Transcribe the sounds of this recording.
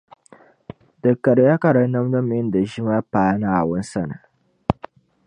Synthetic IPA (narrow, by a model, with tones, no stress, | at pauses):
dɨ˨kːɐ˨ɾja˦ka˨ɾa˨˦nɐ˦mdɐ˦m˦ɪ˦n˦da˨ʒɪ˦ma˦paː˨˦na˨a˨wʊ˦nsɐ˦˨na˨